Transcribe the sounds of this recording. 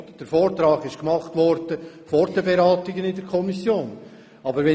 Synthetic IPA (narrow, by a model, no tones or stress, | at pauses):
d̥əɾfoːɾt̪ɾɑːɡɪʃkmɑχt̪ʋɔɾd̥ə | fɔɾdəbeɾɑːtɪɡənɪdəɾkʰɔmisjoːn | ɑbəɾʋɛ